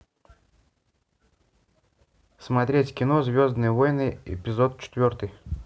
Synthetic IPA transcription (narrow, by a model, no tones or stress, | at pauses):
smɐt̪ɾʲetʲkʲɪnozʲvʲozd̪nɨjəvojnɨjɪ̰pʲɪzot̪̚t͡ɕɪ̥t̪vʲort̪ɨj